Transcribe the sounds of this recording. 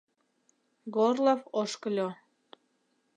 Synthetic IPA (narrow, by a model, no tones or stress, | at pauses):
ɡorlˠofoʃkəlʲo